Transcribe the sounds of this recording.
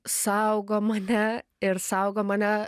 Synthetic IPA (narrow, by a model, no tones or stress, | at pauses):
sawɡɔmanaeɾsawɡɔmana